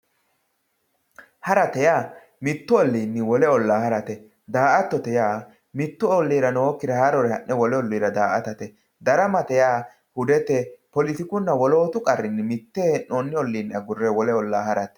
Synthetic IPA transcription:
hɐɾɐt̪ɛjaː | mɪt̪ːʊɔlːiːnːɪwɔlɛɔlːaːhɐɾɐt̪ɛ | d̪aːʔɐt̪ːɔt̪ɛjaː | mɪt̪ːʊɔlːiːɾɐnoːkːɪd̪ɛhaɾɔɾɛhɐnːɛwɔlɛɔlːiːɾɐd̪aːʔɐt̪ɐt̪ɛ | d̪ɐɾɐmɐt̪ɛjaː | hʊd̪ɛt̪ɛpɔlɪt̪ɪkʊnːɐwɔlo̞ːt̪ʊkʼɐrːɪnːɪmɪt̪ːɛnoːnːɪɔlːiːnɐɡʊrːɛwɔlɛɔlːaːhɐɾɐt̪ɛ̥

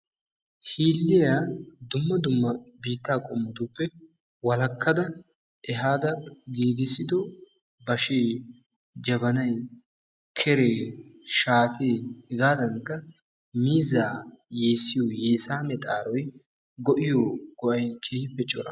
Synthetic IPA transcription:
hiːlːɪjaːd̪ʊmːɐd̪ʊmːɐbiːt̪ːaːkʼɔmːʊd̪upːɛ | wɐlɐkːɐd̪ɐ | ʔɛɦaːd̪ɐɡiːɡɪsːɪd̪ɔ | bɐʃeː | d͡ʒɐbɐnɐj | kʰɛɾeːʃaːt̪ʰeːhɪɡaːd̪ɐŋkːɐ | miːzaːje̞ːsːɪjoːjeːsaːmɛt̪ʼa̰ːɾɔj | ɡɔʔɪjoɡ̥ɔʔɐjkʰeːhɪpːɛt͡ʃʼːɔɾɐ

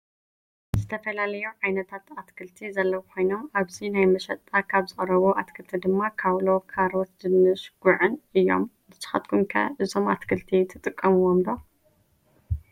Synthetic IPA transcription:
zɨt̪ʰɐfɐlalɐjuʕajnɐt̪ʰat̪at̪kʰɨlt̪ʰizɐlːɐwkʰʷo̞jno̞maβzinajmɐʃɐt̪ʼːakʰaβzɨχʼɾɐβoʔat̪kʰɨlt̪ʰid̪ɨmːakʰaβlo̞kʰaɾot̪d̪ɨmɨʃɡ̥uʕɨnʔɨjːo̞̰mbɨsɨ̥xɐ̰t̪kʰumkʰɐ̰ʔɨzo̞mat̪kʰɨlt̪ʰit̪ʰɨt̪ʼɨkʼːɐmɨwomdo

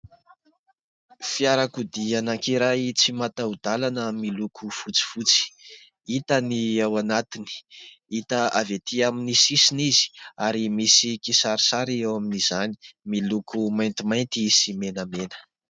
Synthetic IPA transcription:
fiaɾakud̪ianaŋkiɾajt͡simat̪aud̪alanəmilukʰufut͡si̥fut͡si̥ | it̪əniawanat̪ini̥ | it̪əavet̪ʰiaminisisinizi̥aɾimisikisaɾisaɾiewaminizani̥milukʰumajnt̪imajnt̪isimenəmenə̥

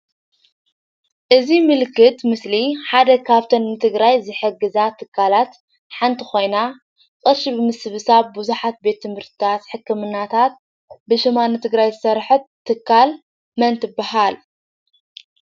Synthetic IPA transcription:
ʔɨzimɨlkʰːɨt̪mɨsliħad̪ɐkʰaβt̪ʰɐnːɨt̪ʰɨɡɾajzɨħɨɡːɨzat̪ʰɨkʰːalat̪ | ħant̪ʰixo̞jna | kʼɨɾʃibɨmɨsɨβɨsaβbuzuħat̪̚be̞t̪ʰːɨmhɨɾt̪ʰɨt̪ʰat̪ħɨkːɨmɨnːat̪ʰat̪̚ | bɨʃɪmanɨt̪ʰɨɡɾajzɨsɐɾħɨt̪ʰːɨkʰːal | mɐnt̪ʰɨbːahal

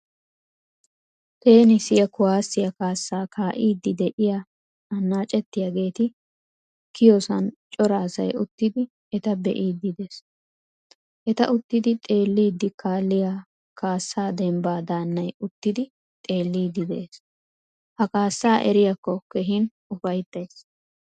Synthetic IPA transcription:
ke̞ːnɪsɪjɐkʊwaːsːɪjɐkaːsːaːkʰaːʔiːd̪ːɪd̪ɛʔɪja | ɐnːaːt͡ʃʼɛt̪ːɪjaɡe̞ːt̪ɪ | kɪjɔsɐnt͡ʃʼɔɾaːsɐ̰jʊt̪ːɪd̪ɪ | ɛt̪ɐbɛ̰ʔiːd̪ːɪd̪es | ʔɛt̪ɐʔʊt̪ːɪd̪ɪt̪ʼe̞ːlːiːd̪ːɪkʰaːlːɪja | kaːsːaːd̪ɛmbaːd̪aːnːɐjʊt̪ːɪd̪ɪ | t̪ʼe̞ːlːiːd̪ːɪd̪ɛʔeːs | hɐkaːsːaːʔɛ̰ɾɪjɐkːɔkɛɦɪn | ʊfɐjt̪ːɐjs

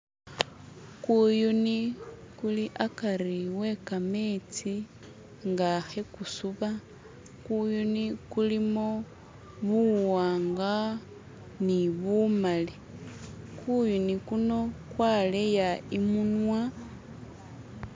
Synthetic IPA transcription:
kujunikuliʔakaɾiwe̞kame̞ːt͡si | ŋɡaxe̞kusuβa | kujunikulimo | βuwaːŋɡa | niβumali | kujunikuno̞kwale̞jaimunwa

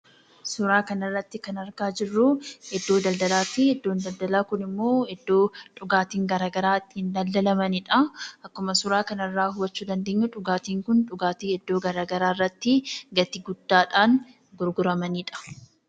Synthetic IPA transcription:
sʊɾaːkɐnɐrːɐt̪ːɪkɐnɐɾkaːd͡ʒɪrːʊhɛd̪ːo̞ːd̪ɐld̪ɐlaːfɪhɛd̪ːoːnd̪ɐld̪ɐlaːkʊnɪmːo̞ːhɛd̪ːo̞ːᶑʊɡaːt̪iːŋɡɐɾaːɡɐɾaːt̪ːɪhɪnd̪ɐld̪ɐlɐmɐnɪᶑɐʔɐkːʊmɐsʊɾaːkɐnɐrːaːɦʊwɐt͡ʃːuːd̪ɐnd̪e̞ːɲːʊᶑʊɡaːt̪iːŋkʊnᶑʊɡaːt̪iːɛd̪ːo̞ːɡɐɾaːɡɐɾaːrːɐt̪ːɪɡɐt̪ɪɡʊd̪ːaːᶑaːŋ | ɡʊɾɡʊɾɐmɐniːᶑɐ̥

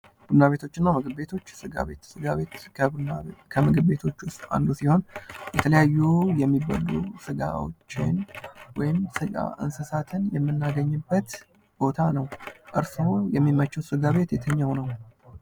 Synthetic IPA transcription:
bɨnaβe̞t̪ʰo̞t͡ʃːɪnːamɨɡɨbbe̞t̪ʰo̞t͡ʃːsɨɡa̰βe̞t̪sɨɡaβe̞t̪kʰəbɨnaekʰəmɨɡɨbbe̞t̪ʰo̞t͡ʃːwʊst̪ʼa̰nd̪usiho̞njɛt̪ʰələjajːujɛmːiba̰lːusɨɡa̰wo̰t͡ʃːɪnwɔjɪmsɨɡʼa̰ʔɨ̰nsəsat̪ʰɨnjɛmːɨnːaɡəɲːɨbːət̪ | b̥o̞t̪ʰanəwʔɨɾsɨojɛmːimːət͡ʃːəwsɨɡaβe̞t̪jɛt̪ʰəɲːəwnəw

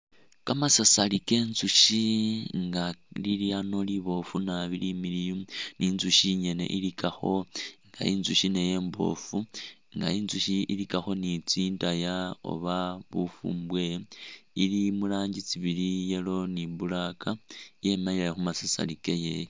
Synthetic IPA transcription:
kamasasalike̞nzuʃiŋɡaliliano̞liβo̞funaβilimilijuniːnzuʃiɲe̞ne̞̰ʔilikaxo̞ŋɡa̰inzuʃine̞je̞ːmbo̞̰fu | ŋɡa̰inzuʃiilikaxo̞nit͡sintajao̰βaβufṵːmbwe̞ilimulaːɲɟit͡siβilijelo̞niβulakaje̞mailexumasasa̰likejeje

